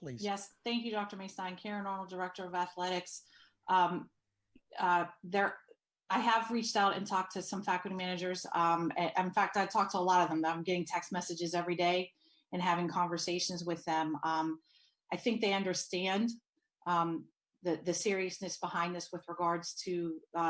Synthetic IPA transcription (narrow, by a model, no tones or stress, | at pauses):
pʰlijɛsθæ̃ŋkjʉɾɑk̚tə˞meɪstãɪ̃nkʰɛɹɨ̃nɔɹnl̩ˠdə˞ɛk̚tə˞ʌvæθlɛɾɨks | ʔʌ̃m | ʌðə˞ | aɪəvɹit͡ʃtaʊɾɨ̰̃ntʰɔk̚tʰɨsʌ̃ɱfækl̩ˠɾimænɨd͡ʒə˞zʌ̃mɨɨ̃nfæk̚taɪ̥tʰɔk̚tʰəəlɔɾʌvðə̃mðəɾãɪ̃mɡɛɾɪ̃ŋtʰɛksmɛsɨd͡ʒɨzɛvɹideɪ | ɨ̃nɦævɪ̃ŋkʰɑ̃ɱvə˞seɪʃɨ̃n̩zwɨðɨ̃mʌ̃m | ʔaɪθɪ̃ŋk̚ðeɪʌ̃ndə˞stæ̃n | ʔʌ̃ | ðɨðɨsɪɹiɨsnɨsb̥əhãɪ̃nðɪswɨðɹəɡɑɹdz̥tʰɨ